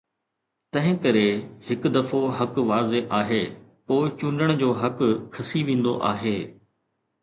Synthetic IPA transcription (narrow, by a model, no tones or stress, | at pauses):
t̪ɐ̃ɦɪ̃kɐɾehɪkd̪ɐfoɦɐkʋaːzeʔaːɦeːpoːɪt͡ɕʊɳɖəɽ̃d͡ʑoːɦɐkkʰːɐsiʋẽːn̆d̪o̰ʔa̰ːɦeː